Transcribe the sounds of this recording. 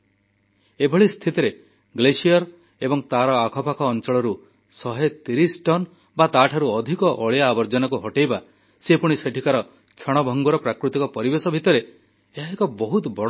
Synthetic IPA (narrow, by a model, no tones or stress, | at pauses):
ebʱɔɭist̪ʰit̪iɾe | ɡlesijɔɾ | ebɔŋt̪aɾɔakʰɔpakʰɔːnt͡ʃɔɭɔɾu | sɔɦet̪iɾisʈɔn | bat̪aʈʰaɾuɔd̪ʱikɔʔɔɭjaːbɔɾd͡ʒɔnɔkuɦɔʈejba | sepuɽ̃iseʈʰikaɾɔ | kʰjɔɽ̃ɔbʱɔŋɡuɾɔpɾakɾut̪ikɔpɔɾibesɔbʱit̪ɔɾe | eɦaekɔbɔɦut̪bɔɽ